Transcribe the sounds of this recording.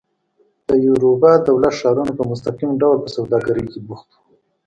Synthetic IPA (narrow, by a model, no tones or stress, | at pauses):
d̪̥əjuɾubɑd̪awlat̪ʂɑɾunapəmʊst̪aqimɖawlpəsawd̪ɑɡaɾəjkebuxt̪u̥